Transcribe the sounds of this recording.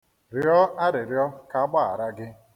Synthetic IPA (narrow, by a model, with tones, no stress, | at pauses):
ɾɪ˨˦ɔ˦a˦ɾɪ˨ɾjɔ˦ka˨a˦ɡ͡ba˦˨a̰˨ɾa˦ɡɪ˦